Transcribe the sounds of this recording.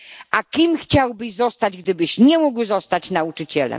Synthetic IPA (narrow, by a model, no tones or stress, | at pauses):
ʔakʲimxt͡ɕawbɘʑzɔst̪ad͡ʑɡd̪ɘbɘɕɲɛmuɡwzɔst̪at͡ɕnaut͡ʂɨt͡ɕɛlɛ̰m